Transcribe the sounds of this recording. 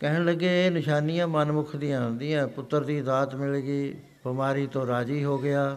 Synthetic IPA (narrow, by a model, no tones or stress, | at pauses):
kɛːɦnləɡːeːeːnɪʃaːnijãːmənmʊkʰd̪ĩjãːɦʊ̃nd̪ĩːãːpʊt̪ːəɾd̪iːzaːt̪mɪlːɡiː | bəmaːɾiːt̪õːɾaːd͡ʒiːɦoːɡɪaː